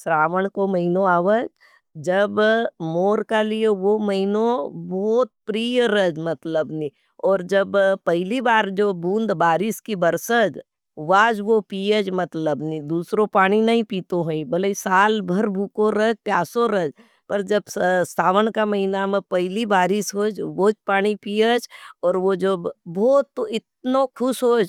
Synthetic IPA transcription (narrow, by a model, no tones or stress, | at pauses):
sɾaːʋəɽ̃komɐɦɪnõaːʋəd͡ʒ | d͡ʒɐbmoːɾkalijeʋomɐɦɪnõbɔːt̪̚pɾiːjɾəd͡ʒmɐt̪ləbnĩ | ɔːɾd͡ʒɐbpɛɦɪlibaːɾd͡ʒoːbũːnd̪baːɾɪskibɐɾsəd͡ʒ | ʋaːd͡ʒʋopiəd͡ʒmɐt̪ləbnid̪uːsɾopaːɽ̃inɐɦĩpiːt̪oɦoĩbɐleisaːlbʱɐɾbʱuːkõɾəpjaːsoɾəd͡ʒ | pɐɾd͡ʒɐbssaːʋənkamɐɦinamẽpɛɦɪlibaːɾɪsɦoːd͡ʒʋoːd͡ʒpaːɽ̃ipiːjəd͡ʒɔːɾʋod͡ʒɐbbɔːt̪ːoɪt̪̚nokʰʊsɦoːd͡ʒ